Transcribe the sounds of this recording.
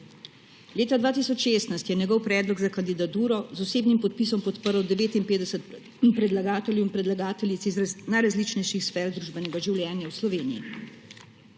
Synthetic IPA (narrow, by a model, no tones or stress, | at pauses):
leːt̪ad̪ʋaːt̪isɔt͡ʃʃeːst̪najst̪jɛnjɛɡɔwpɾɛːd̪lɔɡzakand̪id̪at̪uːɾɔzɔseːbnimpɔt̪̚pis̬ɔmpɔt̪pəɾwd̪ɛʋeːt̪impeːd̪ɛsɛt̪̚ | pɾɛd̪laɡaːt̪ɛljɛwinpɾɛd̪laɡaːt̪ɛljit̪siznajɾazlit͡ʃnɛjʃixsfɛːɾd̪ɾuːʒbɛnɛɡaʒiwljɛːnjawslɔʋeːnijḭ